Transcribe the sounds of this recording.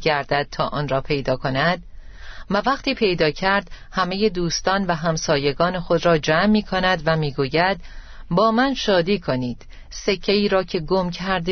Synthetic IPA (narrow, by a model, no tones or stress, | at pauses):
ɡæɾd̪æd̪̥̚t̪ʰɒːʔɒːnrɒːpʰe̞jd̪ɒːkʰo̞næd̪̥̚ | vævæqt̪iːpʰe̞jd̪ɒːcʰæɾd̪̥ | hæme̞je̞d̪uːst̪ɒːnvæɦæmsɒːje̞ɡɒːnexo̞d̪ɾɒːd͡ʒæmːiːkʰonæd̪væmiːɡuːjæd̪̥ | bɒːmænʃɒːd̪iːkʰo̞niːd̪̥ | se̞cʰːeiːɾɒːcʰe̞ɡo̞mcʰæɾd̪e